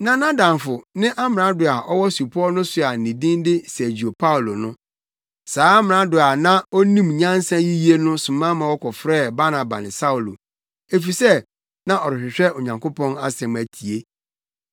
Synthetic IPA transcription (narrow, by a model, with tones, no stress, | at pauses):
nã˨nã˦dã˨mfʊ˨nɪ̃˦ʔa˦mɪ̃˨ã˦dʊ˨a˨ʔɔ˦wɔ˦su˨pʰɔ˦nʊ̃˦sʊ˨a˨nĩ˨dĩ˦ndɪ˦sæ˨d͡ʑi˨o˨pʰa˦u˨lo˨nʊ̃˦ | saː˦a˦mɪ̃˨ã˨˦dʊ˨a˨nã˦ɔ˦nĩ˦mɲã˦n˦sã˦ji˦ji˦e˦nʊ̃˦sʊ̃˨mã˦mã˨wɔ˦kʰɔ˨fɾɛː˦˨ba˦nã˨ba̰˨nɪ̃˨sa˦u˨lo̰˨ | e˨fi˨sɛ˦ | nã˦ɔ˨ɾɪ˨ɕᶣɪ˨ɕᶣɛ˦o˨ɲã˨ŋkʰʊ˦pɔ̃˦na˦sɛ̃˨m˨æ˨tʰi˨e˦